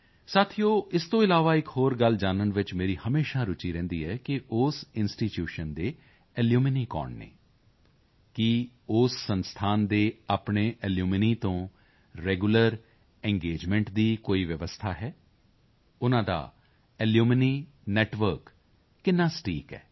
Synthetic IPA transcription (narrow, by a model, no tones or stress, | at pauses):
saːt̪ʰijoːʔɪst̪õːɪlaːʋaːɪkɦoːɾɡəld͡ʒaːnənʋɪt͡ʃmeːɾiːhəmeːʃaːɾʊt͡ʃiːɾɛ̃ːnd̪iːɦɛːkɪʔʊːsɪnsʈiːtjuːʃənd̪eː | ɛljuːmɪniːkɔ̰ːɳɖnḛː | kɪ | ʊsːənst̪ʰaːnd̪eːaːpɳeːʔɛljuːmɪniːt̪õː | ɾɛːɡuləɾ | ɛ̃ŋɡeːd͡ʒmɛ̃ːɳʈd̪iːkoːiːʋjəʋəst̪ʰaːɦɛː | ʊnãːd̪a̰ː | ɪljuːmniː | nɛːʈʋəɾkː | ɪnːãːsʈʰiːkɛ̰ː